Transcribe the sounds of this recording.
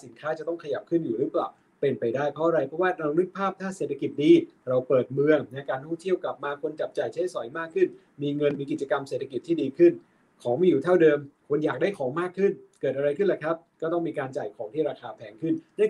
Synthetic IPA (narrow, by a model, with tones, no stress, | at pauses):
si˩˦nkʰaː˦˥t͡ɕa˨˩t̪ɔ˥˩ŋkʰa˧ja˨˩p̚kʰɯ˥˩njuː˨˩ɾɯː˨˦˥plaː˨˩w | pe˧npa˧jdaː˥˩jpʰɾɔ˦˥ʔa˧ɾa˧jpʰɾɔ˦˥waː˥˩na˧nɯ˦˥k̚pʰaː˥˩p̚t̪ʰaː˥˩seː˨˩t̪ʰːa˧ki˨˩t̪̚diː˧ɾa˧wpɤː˨˩t̪̚mɯ˧əŋna˧jkaː˧nt̪ɔ˥˩ŋt̪ʰi˥˩əwka˨˩p̚maː˧kʰo˧nt͡ɕa˨˩p̚t͡ɕa˨˩jt͡ɕʰa˦˥jsɔ˨˩˦jmaː˥˩kʰːɯ˥˩n | miː˧ŋɤ˧nmiː˧ki˨˩t͡ɕa˧ka˧mse˨˩t̪ʰːa˧ki˨˩t̪ʰːiː˥˩diː˧kʰɯ˥˩n | kʰɔː˩˦ŋmiː˧˩juː˨˩t̪ʰa˥˩wdɤː˧mkʰu˧ənjaː˨˩k̚daː˥˩jkʰɔː˩˦ŋmaː˥˩kʰːɯ˥˩nkɤː˨˩t̪ʔa˧ɾa˧jkʰɯ˥˩nla˨˩kʰɾa˦˥p̚kɔː˥˩t̪ɔ˥˩ŋmiː˧kaː˧nt͡ɕaː˨˩jkʰɔː˩˦ŋt̪ʰiː˥˩ɾaː˧kʰaː˧pʰɛː˨˦ŋkʰɯ˥˩nnɯ˥˩˨